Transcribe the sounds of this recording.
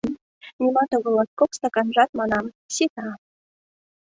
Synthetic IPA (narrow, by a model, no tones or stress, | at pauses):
nʲimɑt̪oɣŏlˠɑt̪kokst̪ɑkɑnʐɑt̪̚mɑnɑm | sʲit̪ɑ